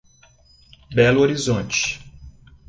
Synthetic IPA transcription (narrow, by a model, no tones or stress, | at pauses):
bɛluoɾizõnt͡ʃɪ̥